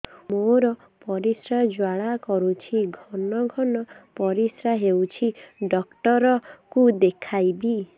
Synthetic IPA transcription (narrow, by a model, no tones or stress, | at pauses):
moɾɔ | pɔɾisɾad͡ʒwaɭakɔɾut͡ʃʰiɡʱɔnɔɡʱɔnɔpɔɾisɾaɦewt͡ʃʰiɖɔkʈɔɾɔkud̪ekʰajbi